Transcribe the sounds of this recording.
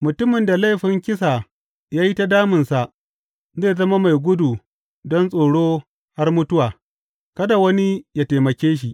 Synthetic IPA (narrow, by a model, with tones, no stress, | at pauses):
mʊ˨tʊ˦mɪ˨nda˨la˦˨jɸɪ˨ŋkʲɪ˦sa˨ | jaː˦ji˦ta˦daː˦mɪ˨nsa˨ʔ | zeː˦˨zɐ˦ma˦ma˨jɡʷʊ˦du˨ | dɔ˦nsʼoː˨ɽoː˦ | ha˦rmʊ˦tʊ˦waː˨ | kɐ˦da˨wɐ˦ni˦ja˦ta˨mɐ˨kʲeː˦ʃ̬i˨ʔ